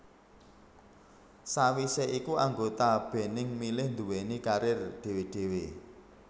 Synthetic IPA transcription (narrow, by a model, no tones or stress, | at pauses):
sawiseʔikuaŋɡot̪ab̥e̤nɪŋmilɪhnd̪ṳwenikaɾɪrɖ̥e̤weɖ̥e̤we